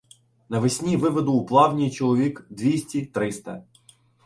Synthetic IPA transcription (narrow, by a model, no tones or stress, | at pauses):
nɐʋɪsʲnʲiʋɪʋɔd̪ʊːplˠɑwnʲijt͡ʃɔlˠɔʋʲikd̪ʋʲisʲtʲit̪ɾɪst̪ɐ̰